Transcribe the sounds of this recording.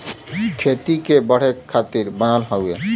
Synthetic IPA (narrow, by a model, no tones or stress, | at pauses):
kʰet̪ikebəɽ̤ekʰːat̪iɾbənalɦɔḛ